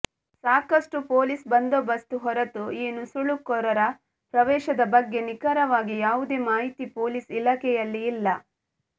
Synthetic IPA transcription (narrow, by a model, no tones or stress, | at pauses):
saːkɐʂʈupoːlisbɐnd̪oːbɐst̪uɦɔɾɐt̪uiːnusuɭukɔɾɐɾɐ | pɾɐʋɛːʃɐd̪ɐbɐɡːe̞nikɐɾɐʋaːɡijaːʋud̪e̞ːmaːɦit̪ipoːlisilaːkɛjɐlːiːlːɐ